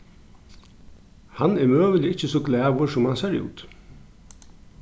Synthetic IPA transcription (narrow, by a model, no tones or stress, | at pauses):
hanːɛɾmøːʋəljəɪt͡ɕːəsɔːɡlɛːʋʊsʊmhansɛɾṵːt̪